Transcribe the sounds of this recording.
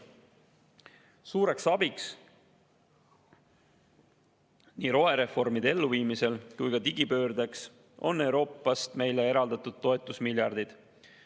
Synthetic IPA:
suːɾe̞ksɑb̥iks | niːɾo̞e̞ɾe̞fo̞rmid̪̥e̞lːuviːmise̞lkujɡɑt̪iɡ̥ipø̞ːɾd̪eks | o̞̰nːe̞wɾo̞ːpːˑɑst̪me̞jle̞e̞ɾɑld̪ɑt̪ud̪̥̚t̪ːo̞et̪ːˑusmiljɑrd̪̥id̪̥

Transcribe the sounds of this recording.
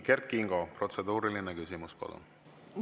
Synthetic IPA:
ke̞rt̪̚kiŋɡ̥opro̞t̪se̞d̪uːɾilinekysʲimuspɑ̰lṵn

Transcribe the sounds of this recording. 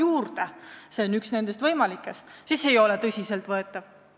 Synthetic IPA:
juːrd̪̥ese̞onːyksne̞nd̪̥e̞st̪vɤjmɑlikːˑe̞st̪sise̞jo̞let̪ɤsʲise̞lt̪vɤe̞t̪ːˑɑv̥

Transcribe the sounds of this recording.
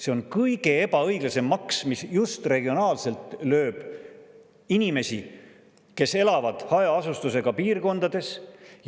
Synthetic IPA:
se̞o̞nkɤjɡe̞eb̥ɑɤjɡ̥lɑse̞mːɑksmisjust̪re̞ɡ̥io̞nɑːlse̞lt̪ˑlø̞ːb̥ | inʲime̞si | ke̞se̞lɑvɑd̪̥hɑjɑɑsust̪use̞ɡ̥ɑpiːrko̞nd̪̥ɑd̪e̞s

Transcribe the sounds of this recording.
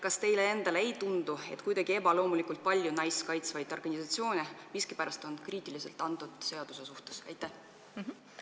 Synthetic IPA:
kɑst̪e̞jle̞e̞nd̪̥ɑleejt̪und̪̥ue̞̰t̪kujd̪ɑɡ̥ie̞bɑlo̞ːmulikult̪̚pɑlʲjunɑjskɑjt̪svɑjd̪o̞rɡ̥ɑnʲisɑt̪sio̞ːnʲeviskipæɾɑst̪o̞nkriːt̪ːˑilise̞lt̪ːˑɑnt̪ːud̪̥se̞ɑd̪̥use̞suht̪e̥sɑjt̪ːˑæh

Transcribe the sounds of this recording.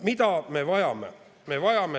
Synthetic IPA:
mit̪æmeʋɑjɑmːḛ | meʋɑjɑmːe

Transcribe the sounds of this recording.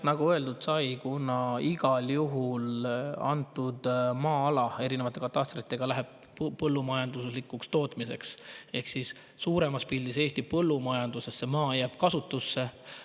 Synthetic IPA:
nɑɡ̥uɤe̞ld̪ud̪̥sɑjkunɑiɡ̥ɑljuɦulɑ̰nt̪ːud̪mɑːɑlɑe̞ɾine̞vɑt̪ːˑe̞kɑt̪ːˑɑst̪rit̪ˑːe̞ɡ̥ɑlæɦeb̥̚ | pɤlːumɑjɑnd̪usslikːˑukst̪o̞ːt̪ˑmise̞̰kse̞hksisː | uːɾe̞mɑspilʲːise̞ːst̪ipɤlːumɑjɑnd̪̥usesːe̞mɑːjæːb̥kɑsut̪ːˑusːe̞

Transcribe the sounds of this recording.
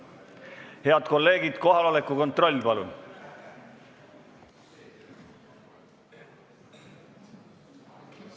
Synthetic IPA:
he̞ɑd̪̥ko̞lːe̞ːɡid̪̥ko̞ɦɑlolekuko̞nt̪ro̞lʲːpɑlṵn

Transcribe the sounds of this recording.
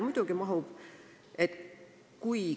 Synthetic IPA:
mud̪̥uɡ̥imɑɦub̥ | et̪ | kuj

